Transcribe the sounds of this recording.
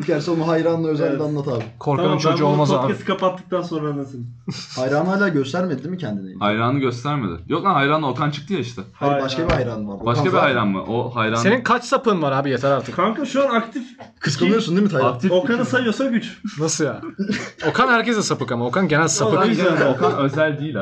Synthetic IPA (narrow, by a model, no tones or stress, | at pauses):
cæɾsɛonuɦajɾaːnˠaøzɛlʲːd̪annːˠat̪aːbikʰo̞ɾkʰanint͡ʃʰod͡ʒuolˠmazaesi̥kapat̪ːɯk̚t̪anso̞nɾanasɯnhajɾaːnajlʲaːɟøst̪æɾmed̪id̪imicʰɛnd̪inihajɾaːnɯɟø̞st̪ʰæɾmḛd̪ɪ̰jok̪aɦajɾaːno̞kant͡ʃʰɯ̥k̚t̪ɯjaiʃt̪ʰɛhabaʃkabiɦajɾaːnɯvaɾbbaʃkabiɦajɾanma̰ʔohajɾase̞ninkʰat͡ʃsapɯnvaɾhaːbijat̪ʰɛɾaɾt̪ʰɯ̥kʰankaʃuanakt̪ʰifkʰɯskanˠɯjosund̪imit̪ʰaak̚t̪ʰifokanɯsajosaɟyt͡ʃnasɯjaːo̞kʰanhæɾcezd̪ɛsapɯkamao̞kʰanɟe̞nælʲsaɯɛokʰanøzælʲd̪iːlʲ